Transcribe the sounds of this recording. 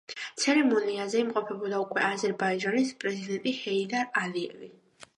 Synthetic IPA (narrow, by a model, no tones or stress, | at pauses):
t̪sʰɛɾɛmɔniazɛimqʼɔpʰɛbɔd̪aukʼwɛazɛɾbaid͡ʒanispʼɾɛzid̪ɛnt̪ʼihɛid̪aɾaliɛ̰vi